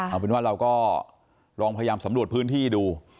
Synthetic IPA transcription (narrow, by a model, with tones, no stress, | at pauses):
a˨˧˩eː˧˥nwaː˥˩ɾa˧wkɔː˥˩ | ɾɔː˧ŋpʰa˧jajaː˧msa˩˦mɾu˨˩ət̚pʰɯː˦˥nt̪ʰiː˥˩duː˧